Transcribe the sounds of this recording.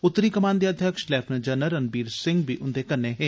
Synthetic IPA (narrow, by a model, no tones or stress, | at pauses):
ʊt̪ːəɾikɐmãːnd̪iɐd̪ʱjəkʃlɛːpʰnd͡ʒɐnəɾɐnbiːɾsɪ̃ŋɡ̚bʱiʔʊnd̪ekɐɾneɦɛ̃ː